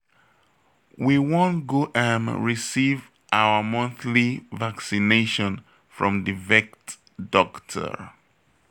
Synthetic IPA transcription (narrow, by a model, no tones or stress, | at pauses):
wiwõntɡoʔə̃nɹisiv | ʔawəmʌ̃nθlivaksineʃɔ̃n | fɹɔ̰̃mdivɛkt | dɔktʰə̰